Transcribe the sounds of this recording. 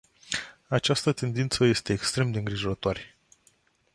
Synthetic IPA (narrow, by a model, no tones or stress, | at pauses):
at͡ʃast̪ət̪e̞nd̪int̪səje̞st̪e̞ːkst̪ɾe̞md̪e̞ɨŋɡɾiʒo̞ɾət̪oare